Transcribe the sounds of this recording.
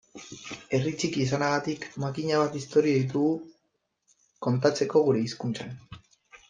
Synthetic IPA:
e̞rit͡sikiːs̬anaɣat̪ikmakiɲaβ̞at̪ist̪o̞ɾiaðit̪̬uɣu | ko̞nt̪at͡se̞ko̞ɣ̞uɾe̞iskunt͡san

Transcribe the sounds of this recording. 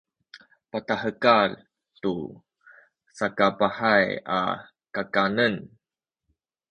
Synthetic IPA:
patahəkal | tu | sakapaħaja̰ | kakanən

